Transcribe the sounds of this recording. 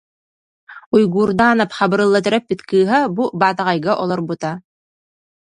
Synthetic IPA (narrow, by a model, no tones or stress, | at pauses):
ujɡuːɾd̪aːnapχɑbɯ̆ɾɯlˠːat̪̬œ̆ɾæp̚bɘt̪kɯːɦabubaːt̪aʁɑjɡaʔɔlˠɔɾbut̪a